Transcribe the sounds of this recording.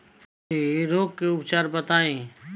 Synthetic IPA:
d͡ʒiːɾoːkkːeʊpt͡ʃaːɾbət̪aːẽː

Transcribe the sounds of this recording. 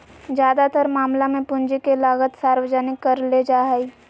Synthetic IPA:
d͡ʒjaːd̪at̪əɾmaːmlamẽpʊ̃nd͡ʒikelaːɡət̪saːɾwəd͡ʒənɪkːɐɾled͡ʒaːɦi

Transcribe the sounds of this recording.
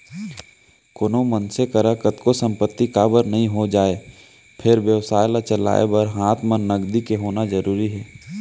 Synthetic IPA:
konomənsekəɾəkət̪kosə̃mpət̪ːikaːbəɾnəɦĩɦod͡ʒaːe | pʰɪɾʋjəʋsaːjlat͡ʃəla̰ːḛbəɾɦaːt̪ʰmənəɡd̪ikeɦoːnazəɾuːɾiɦɛː

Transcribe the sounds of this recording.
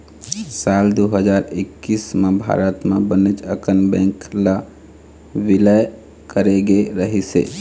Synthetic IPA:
sald̪uɦəd͡ʒaɾɪkːismebʱa̰ɾət̪mebənet͡ʃə̰kənbɛ̃ŋkla | ʋiləj | kəɾeɡeɾəɦisḛ

